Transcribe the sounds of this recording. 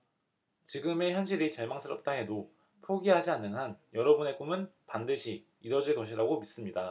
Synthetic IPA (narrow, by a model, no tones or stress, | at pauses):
t͡ɕiɡɯme̞çjʌnɕʰiɾit͡ɕaɭmaŋs͈ʰɯɾʌp̚t͈aɦe̞do | pʰoɡiɦad͡ʑianːɯnɦanjʌɾʌbune̞k͈umɯnpandɯɕʰiː | ɾʌd͡ʑiɭkʌɕʰiɾaɡomis͈ɯmɲida